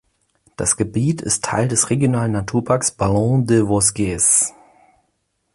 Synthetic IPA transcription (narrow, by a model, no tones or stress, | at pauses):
d̥a̰sɡ̥əbiːtɪ̰stʰːa̰ɪldɛsʁeɡjonaːlənːatʰuːɐpʰaɐksb̥alɔ̃dəvɔsɡ̥ɛs